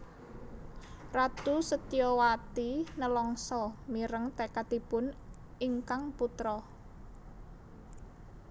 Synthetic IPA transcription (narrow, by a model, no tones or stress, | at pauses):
rat̪usət̪ijɔwat̪inəlɔŋsɔmiɾəŋt̪ekat̪ipʊn | ʔiŋkaŋput̪ɾɔ